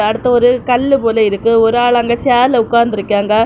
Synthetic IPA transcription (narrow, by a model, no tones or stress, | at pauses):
ɐɽɯt̪ːɐɔɾɯkɐlːɯpoːlɐɪɾɯkːɯɔɾɯaːɭɐŋɡɐt͡ʃaːɾlɐʊkːaːɾnd̪ɪɾɯkːaːŋɡɐ